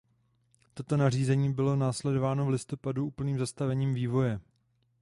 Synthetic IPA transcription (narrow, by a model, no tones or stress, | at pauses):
t̪o̞t̪o̞nar̝iːzɛɲiːbɪlo̞naːslɛdo̞vaːno̞vlɪst̪o̞paduuːpl̩niːmzast̪avɛɲiːmviːvo̞jɛ